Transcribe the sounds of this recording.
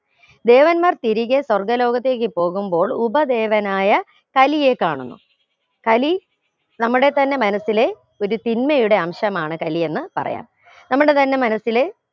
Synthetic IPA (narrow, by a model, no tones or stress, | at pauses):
d̪e̞ːʋɐnmaːrt̪iɾiɣɐswɐrɡɐlo̞ːɣɐt̪ːeːk̬ːɨpo̞ːɣumbo̞ːɭubɐd̪e̞ːʋɐnaːjɐ | kɐlije̞kːaːɳunːṵ | kɐli | nɐmːuɽe̞t̪ɐnːe̞mɐnɐsːile̞ | o̞ɾut̪inmɐjuɽe̞ɐmɕɐmaːɳɨkɐlie̞nːɨpɐ̰rɐ̰ja̰ːm | nɐmːuɽet̪ɐnːe̞mɐnɐsile̞